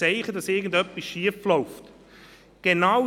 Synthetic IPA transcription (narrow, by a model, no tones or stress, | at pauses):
ɛɪχəd̥ɑsɪɐɡən̩dœpːisʃiəflɔʊft | ɡ̥enaw